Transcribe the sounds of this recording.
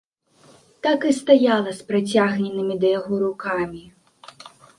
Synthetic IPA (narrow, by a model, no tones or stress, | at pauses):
t̪akɨst̪ajalˠɐspɾat͡sʲaɣnʲɛnɨmʲid̪ɐjaɣɔɾukamʲi